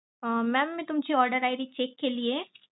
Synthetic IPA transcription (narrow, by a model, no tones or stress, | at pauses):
əmɛːmːẽt̪ʊmd͡ʒʰeɔːɾɖəɾaːɪɾit͡ʃeːkːelie